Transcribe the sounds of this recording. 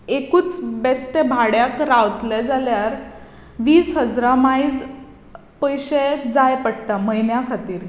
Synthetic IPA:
ekuːt͡sbesʈebʱaɽjakɾaʋt̪led͡zaljaɾ | ʋiːsɦəd͡zɾamaid͡z | pəjɕed͡zajpəɽ̚t̪aməjnjakʰat̪iːɾ

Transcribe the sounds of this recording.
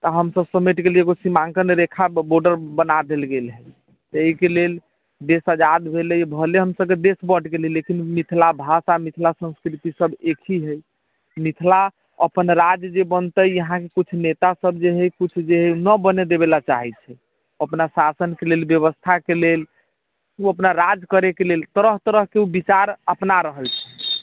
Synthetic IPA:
t̪əɦəmsəbsəmeʈkeleɡosimãŋkəneɾekʰaboɾɖəɾbənad̪elɡelɦɛj | t̪ekelel | d̪esəd͡ʒad̪bʱeləjbʱəleɦəmsəb̚ked̪esbəʈkelelekinmit̪ʰlabʱasamit̪ʰlasə̃nskɾit̪isəbekʰiɦəj | mit̪ʰla | əpənɾad͡ʒd͡ʒebənt̪əjjəɦãkekut͡ʃʰnet̪asəbd͡ʒeɦəjkut͡ʃʰd͡ʒeɦənəbəned̪ebelat͡ʃa̰ɦɛt͡ʃʰɛ | əpnasasənkelelbjəβəst̪ʰakelel | uəpnaɾad͡ʒkəɾekelelt̪əɾəɦt̪əɾəɦkeubit͡ʃaɾəpnaɾəɦəlt͡ʃʰɛ̥

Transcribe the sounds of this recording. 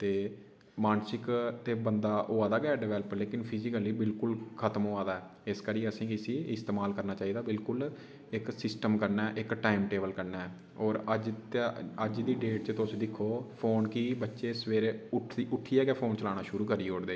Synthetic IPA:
t̪eː | maːnsɪkt̪eːbənd̪aːʔoːaːd̪aːɡɛːɖɪʋɛːləpəleːkɪnpʰɪzɪkəliːbɪlkʊlkʰət̪əmoːaːd̪aːɛː | ɪskəɾiːəsĩːkɪsiːɪst̪eːmaːlkəɾnaːt͡ʃaːiːd̪aːbɪlkʊl | ɪksɪsʈəmkəɾnaːʔɪkʈaːimʈeːbəlkəɾnaːɛː | ɔːɾəd͡ʒt̪ːəd͡ʒd̪iːɖeːʈ̚t͡ʃət̪ʊsĩːd̪ɪkʰːoːpʰoːnkiːbətːʃeːsʋeːɾeʊʈ̪ʰiʊʈʰːiːɛːɡɛːpʰoːnt͡ʃəlaːɽ̃aːʃʊɾuːkəɾioːɽd̪eː

